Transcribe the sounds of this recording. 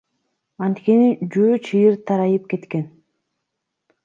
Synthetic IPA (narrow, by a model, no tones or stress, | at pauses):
ɑnt̪ke̞nid͡ʒøːt͡ʃʰɯjɯɾt̪ʰɑɾɑjɯp̚ke̞t̪ke̞n